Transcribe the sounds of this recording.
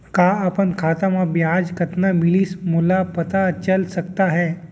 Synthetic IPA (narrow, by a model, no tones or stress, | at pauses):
kaːɐpənkʰaːt̪amãbjaːd͡ʒkɐt̪namɪliːsmʊlapɐt̪at͡ʃəlsɐkt̪aɦɛː